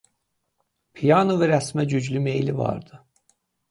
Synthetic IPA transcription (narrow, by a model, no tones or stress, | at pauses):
pʰijɑnovɛɾæsmæd͡ʒyd͡ʒlyme̞jlivɑ̰ɾd̪ɯ